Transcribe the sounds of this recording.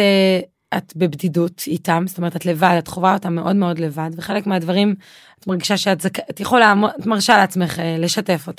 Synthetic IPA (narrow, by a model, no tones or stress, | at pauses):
e | atbebdidutitamzotomeetatlevadatχovao̞tamːeʔo̞dme̞o̞dle̞vadveχe̞lekmeadvaʁim | atmaʁɡiʃaʃeatzkatjeχolamatmaʁʃaleat͡sme̞χele̞ʃate̞fo̞ta